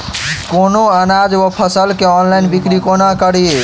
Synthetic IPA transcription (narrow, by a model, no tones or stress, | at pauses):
konoənad͡ʒwəpʰəsəlkeɔnlajnbikɾikonakəɽie